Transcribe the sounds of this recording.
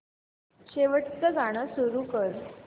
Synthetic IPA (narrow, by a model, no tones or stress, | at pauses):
ɕeʋəʈt͡səɡaɽ̃əsuɾuːkəɾ